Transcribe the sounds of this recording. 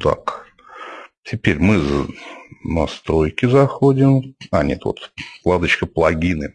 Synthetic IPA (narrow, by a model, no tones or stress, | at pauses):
t̪a̰k | tʲɪpʲeɾʲmɨz | nɐst̪ɾo̞jkʲɪzɐxodʲɪmanʲḛt̪vo̰t̪klˠad̪ət͡ɕkəplˠɐɡʲinɨ